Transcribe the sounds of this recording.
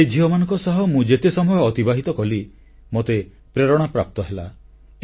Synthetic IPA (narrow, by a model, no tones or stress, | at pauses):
ed͡ʒʱiɔmanɔ̃ŋkɔsɔɦɔmũd͡ʒet̪esɔmɔjɔːt̪ibaɦit̪ɔkɔli | mot̪e | pɾeɾɔɽ̃apɾap̚t̪ɔɦela